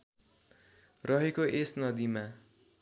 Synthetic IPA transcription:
rʌɦekoʔesnʌd̪ima

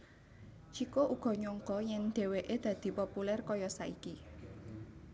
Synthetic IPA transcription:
t͡ʃikoʔuɡ̥ɔ̤ɲɔŋkɔjɛnɖ̪̥e̤weʔed̪̥ä̤d̪̥i̤populɛrkɔjɔsaiki

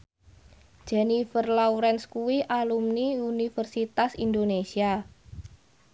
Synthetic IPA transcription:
ʒ̥ɛnifərlauɾɛnskuwiʔalumniunifərsit̪asind̪onesia

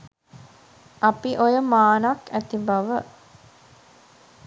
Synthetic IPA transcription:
ʔapiʔojəmaːnakæt̪ibaʋə

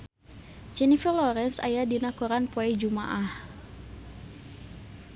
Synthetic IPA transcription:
d͡ʒɛnifəlɔɾɛnsa̰jadinakɔɾanpɔɛd͡ʒuma̰ʔah

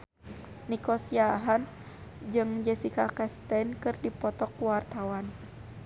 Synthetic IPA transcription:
nikɔsiaɦan | d͡ʒɨŋd͡ʒɛsikakɛst̪ɛnkɨrdipɔt̪ɔkuwart̪awan

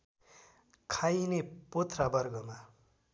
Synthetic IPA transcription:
kʰajnepot̪rabʌrɡʌma

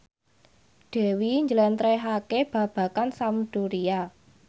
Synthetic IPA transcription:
ɖ̥ɛ̤wiɲd͡ʒəlɛnt̪ɾɛɦakeb̥ä̤b̥ä̤kansamɖ̥uɾia

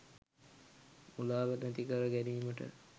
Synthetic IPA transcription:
ulaːʋənæt̪ikəɾəɡæniːməʈə̰

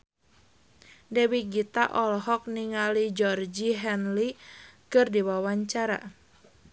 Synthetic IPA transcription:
dɛwiɡit̪aʔɔlɦɔk̚niŋalid͡ʒɔrd͡ʒiɦɛnlikɨrdiwawaɲt͡ʃaɾa̰

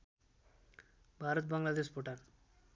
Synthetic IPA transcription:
bʱaːɾət̪̚baŋɡlad̪eːspoʈan

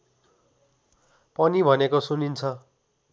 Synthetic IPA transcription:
pʌnibʱʌnekosunint͡sʰʌ

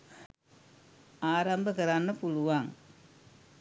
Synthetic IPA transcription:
aːɾambɐkɐɾaːnːɐpuɻuʋaːŋ

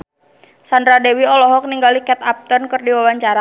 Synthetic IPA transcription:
sand̪ɾadɛwiɔlɔɦɔk̚niŋɡalikɛt̪ap̚t̪ɔnkɨrdiwawaɲt͡ʃaɾa

